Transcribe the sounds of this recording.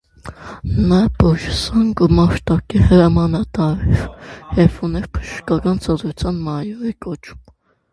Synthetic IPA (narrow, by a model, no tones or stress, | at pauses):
nɑbɔʒəsɑŋɡumɑɾt̪ɑkihəɾɑmɑnɑt̪ɑɾɛɾhɛvunɛɾpʰə̥ʃəʃkɑkɑnt͡sʰɑd̪ɾut͡sʰjɑnmɑjɔɾɛkɔt͡ʃʰu̥m